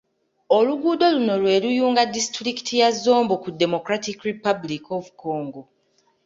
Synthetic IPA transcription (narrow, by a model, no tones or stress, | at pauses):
o̞luɡuːdo̞luno̞lwe̞ːlujuːŋɡadistɾiki̥tʰijazːo̞ːmbokudːe̞mo̞kɾatikɾipablikovuko̞ːŋɡo̞